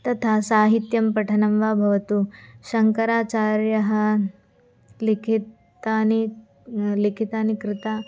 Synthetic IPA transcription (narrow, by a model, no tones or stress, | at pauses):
t̪ɐt̪ʰasaːɦit̪jɐmpɐʈʰɐnɐmʋaːbʱɐʋɐt̪uʃɐŋkɐɾaːt͡ʃaːɾjɐɦɐ̆ | likʰit | ani | likʰit̪aːnikɾɪt̪aː